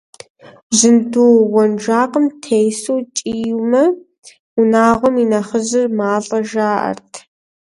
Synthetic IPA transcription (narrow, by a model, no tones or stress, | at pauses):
zɨnduwɔnʒaːqəmtʰejsowt͡ʃʼiːjumɐ | unaːʁʷɔminɐχəʑɪrmaːɮʼɐʒaːʔɐ̰rtʰ